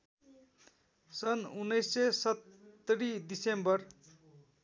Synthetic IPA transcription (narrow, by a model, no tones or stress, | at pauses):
sʌnunːʌjsːesʌt̪ːʌɾid̪isembʌr